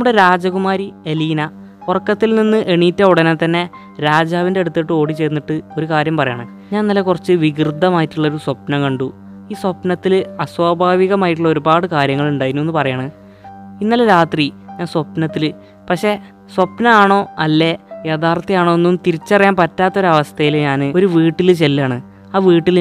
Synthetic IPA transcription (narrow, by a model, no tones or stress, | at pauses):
nɐmuɽe̞ɾaːd͡ʑɐkumaːɾie̞liːnɐ | purɐkːɐt̪ːilninːɨʔeɳiːtːɐuɽɐnet̪ːɐnːe̞ | ɾaːd͡ʑaːʋindeɽut̪ːiːʈːɨo̞ːɽit͡ɕe̞jnːiʈːɨo̞ɾukaːɾjɐmpɐrɐja̰ːɳɨ | ɲaːnnɐlekurɐt͡ɕːɨʋiɡrɨd̪ʱːɐmaːjitːuɭːɐo̞ɾuswɐpnɐkɐɳɖu | iːswɐpnɐt̪ːilɐswaːbʱaːʋiɣɐmaːjiʈ̬ːuɭːɐo̞ɾubaːɽɨkaːɾjɐŋːɐɭuɳɖaːjiɾnːue̞nːɨpɐrɐjaːɳɨ | inːɐleɾaːt̪riɲaːnswɐpnɐt̪ːil | pɐkʂe̞ | swɐpnɐaːɳo̞ːɐlːe̞jet̪ʰaːrt̪ːɐjaːɳo̞ːenːumt̪iɾit͡ɕːɐrɐjaːmpɐtːaːt̪ːɐo̞ɾuɐʋɐst̪ʰɐjilɲaːnɨo̞ɾuʋiːʈːilt͡ɕe̞lːaːɳɨ | aːʋiːʈːil